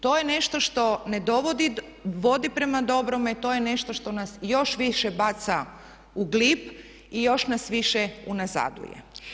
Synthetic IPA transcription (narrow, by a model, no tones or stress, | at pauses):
t̪o̞ːje̞ne̞ʃt̪o̞ʃt̪o̞ned̪o̞ʋod̪i | ʋo̞d̪ipɾe̞mad̪o̞bɾomet̪o̞jene̞ʃt̪o̞ʃt̪o̞nasjo̞ʃʋiʃebat̪sa | uɡlip | ijo̞ʃnasʋiʃeunaza̰d̪ṵjḛ